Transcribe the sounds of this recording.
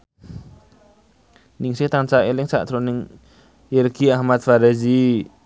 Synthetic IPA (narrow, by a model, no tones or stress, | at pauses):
nɪŋsɪht̪ant͡ʃaelɪŋsaʔt̪ɾonɪŋ | jɪrɡiahmat̪̚faɾɛzi